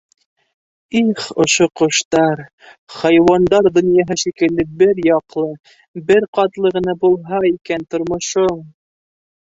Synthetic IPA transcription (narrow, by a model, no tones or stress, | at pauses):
iχŏʃoqŏʃt̪ɑɾ | χɑjwɑnd̪ɑɾd̪ŏnjɑɦɤʃikɘ̆ld̪ɘbɘɾjɑqlˠɤ | bɘɾqɑt̪lˠɤʁɤ̆nɑbulˠɦɑikænt̪ŏɾmŏʃom